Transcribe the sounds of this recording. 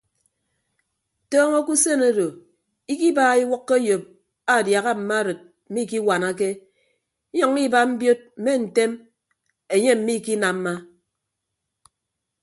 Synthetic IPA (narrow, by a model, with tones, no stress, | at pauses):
tɔː˦ŋo˦ku˦se˦˨no˦do˨ | i˦ki˦baː˦˨i˦wɔ˦kːe˦jo˨p̚ | a˨dja˨ɣa˦m̩˨ma˦ɾɨ˨t̚ | m̩˨mi˦˨ki˦wa˨na˦k̬e˦ | ɲɔ˨ŋi˦ba˦m̩˦bjo˦t̚m̩˨me˦n̩˨te˦m | e˨ɲe˦m̩˨mi˦˨ki˦na˨m̩˦ma˦